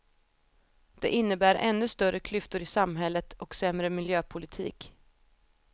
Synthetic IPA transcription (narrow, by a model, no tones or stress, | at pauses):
d̪̥ɛ̰ʔɪnːəbæːɾʔɛ̰nːɵst̪œɾəkʰlʏft̪ʊɾɪsamɦɛlːət̪ɔksɛmɾəmɪljøːpʰʊlɪt̪ʰḭːk